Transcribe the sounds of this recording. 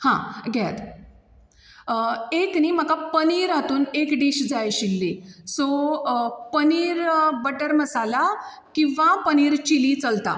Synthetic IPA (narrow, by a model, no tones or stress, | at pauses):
hã̰ɡʱɛt̪ | ekniːm̤əkapəniːɾɦat̪uːnekɖiɕd͡zajɕilːiso | pəniːɾbəʈəɾməsala | kĩʋãpəniːɾt͡ɕilit͡səlt̪a̰